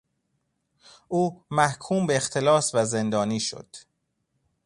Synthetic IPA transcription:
ʔuːmæhkʰuːmbeːxt̪ʰelɒːsvæze̞nd̪ɒːniːʃo̰d̪̥

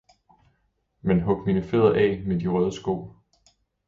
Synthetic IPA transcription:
menɦɔ̽ɡ̥minəfeðˠɐʔɛ̰ːmed̥iʁœð̞ˠəsɡ̥o̝̰ː

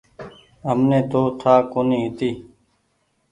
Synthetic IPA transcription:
ɦəmnẽːt̪oːt̪ʰaːkoːnĩːɪt̪iː

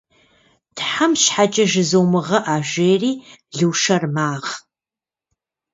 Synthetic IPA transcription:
tʰħamɕħat͡ʃʼɐʒɨzowmɨʁɐʔaːʒʷeːriːɮuːʂɐrmaːʁ

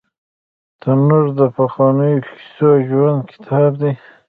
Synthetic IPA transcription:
t̪ənuɾd̪əpaxɑnəjoi̥soʒwand̪̚kʰɪ̥t̪ʰɑbd̪e

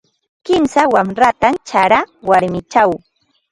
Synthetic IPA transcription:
kɪmsawamɾat̪ant͡ʃaɾawaɾmɪt͡ʃaw

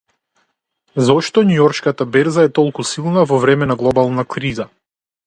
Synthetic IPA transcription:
zɔʃt̪ɔnujɔɾʃkat̪abɛɾzaɛt̪ɔlˠkusilˠnavɔvɾɛmɛnaɡlˠɔbalˠnakɾiza

